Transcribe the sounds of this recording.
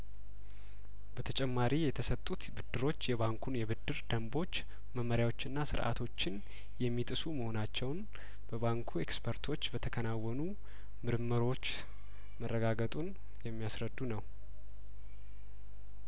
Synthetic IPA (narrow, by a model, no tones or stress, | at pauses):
b̥ət̪ʰət͡ʃʼɛmːaɾijɛt̪ʰəsət̪ʼːut̪bɨd̪ːɨɾo̞t͡ʃːjɛβaŋkʰunjɛβɨd̪ːɨɾd̪əmbo̞t͡ʃː | məmːəɾjawo̞t͡ʃːɨnːasɨ̰ɾʔa̰t̪ʰo̞t͡ʃːɪn | jɛmːit̪ʼɨsuməho̞nat͡ʃːɛwn | b̥əβaŋkʰuekspʰəɾt̪ʰo̞t͡ʃːbət̪ʰəkʰənawːɔnu | mɨɾɨmːəɾo̞t͡ʃː | mərːəɡaɡət̪ʼun | jɛmːijasɾəd̪ːunəw